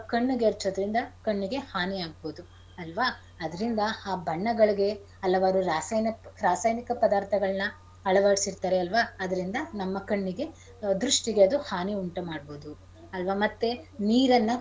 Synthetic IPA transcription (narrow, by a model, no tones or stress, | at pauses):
kɐɳːuɡeeɾt͡ʃod̪ɐɾind̪ɐkɐɳːiɡe̞haːniaːɡ̚boːd̪u | ɐlʋaː | ɐd̪ɐɾind̪ɐaːbʱɐɳːɐɡɐɭiɡe̞ | ɐlːɐʋɐɾuɾaːsnɾaːsaːjnikɐpɐd̪aːɾt̪ʰɐɡɐɭɐnːɐ | ɐɭɐʋɐɽsiɾt̪aːɾeɐlʋaːɐd̪ɐɾind̪ɐnɐmːɐkɐɳːiɡe̞ | d̪ɾuʂʈiɡe̞ɐd̪uhaːniuɳʈɐmaːɖbo̞ːd̪u | ɐlʋaːmɐt̪ːeniːɾɐnːɐ